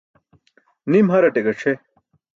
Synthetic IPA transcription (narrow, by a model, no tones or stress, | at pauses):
nimɦɐɾɐʈeɡɐʈ͡ʂʰe